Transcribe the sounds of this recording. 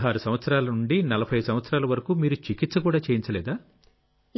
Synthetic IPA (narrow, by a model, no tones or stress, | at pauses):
ɦaːɾusɐmʋɐt̪sɐɾaːlɐnuɳɖinɐlɐpʰɐjɐsɐmʋɐt̪sɾaːlɐʋɐɾɐkuːmiːɾut͡ʃikit̪sɐkuːɽaːt͡ʃeːjint͡ʃɐlɛːd̪aː